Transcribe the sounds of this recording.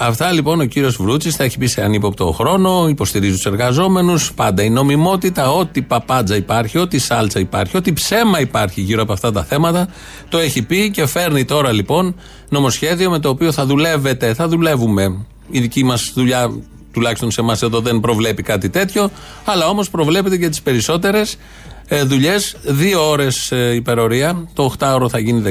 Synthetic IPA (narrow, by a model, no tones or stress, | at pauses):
ɐft̪ɐlipo̞no̞ciɾio̞zvɾut͡sisθɐeçi̥piseɐnipopt̪o̞̰xɾo̞no̞ipo̞st̪iɾizit̪use̞ɾɣɐzo̞me̞nuspɐnd̪ɐino̞mimo̞t̪it̪ɐo̞t̪ipɐpɐd͡zɐipɐɾçio̞t̪isɐlt͡sɐipɐ̰ɾçio̞t̪ipse̞mɐipɐɾçiʝiɾo̞ɐpoɐft̪ɐt̪ɐθe̞mɐt̪ɐ | t̪o̞e̞çipice̞fe̞ɾnit̪o̞ɾɐlipo̞n | no̞mo̞sçe̞ðio̞me̞t̪oːpio̞θɐðule̞ve̞t̪e̞θɐðule̞vume̞ | iðicimɐsðuʎɐ | t̪ulɐçist̪o̞nse̞mɐse̞ðo̞ðe̞mpɾo̞vle̞pikɐt̪it̪e̞t̪ço̞ | ɐlɐo̞mo̞spɾo̞vle̞pe̞t̪ecɐt̪ispe̞ɾiso̞t̪e̞ɾe̞s | ðuʎe̞sðio̞o̞ɾe̞sipe̞ɾo̞ɾiɐt̪o̞ːxt̪ɐo̞ɾoθɐʝiniðe